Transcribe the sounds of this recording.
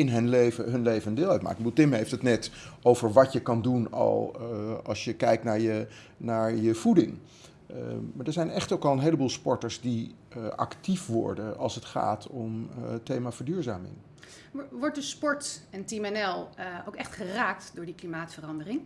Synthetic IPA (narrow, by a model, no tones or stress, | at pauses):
ɪnɦɵnlejvəɦɵnlejvənəndɪːlˠœ̰tma̰kəbəduːlˠtɪmɦejftətnɛtʔowvəɹʋɑtjəkɑndunɑ̰lˠɑ̰lˠsjəkɛjk̚tnaːɹjə | naːɹjəv̥udɪŋ | maːɹdəɹzɛjnɛχtowkɑlˠənɦejləbuːlˠspɔɹtəɹszdi | ʔɑ̰ktifʋɔ̰ɹdənɑ̰lˠsətχa̰ːtʰɔmtejmaːfəɹdyːɹzaːmɪ̰ŋ | ʋɔɹt̚dəspɔɹtɛntimɛnɛlˠowkɛχtχəraːk̚tdʊːɹdiklimaːtfərɑndərɪŋ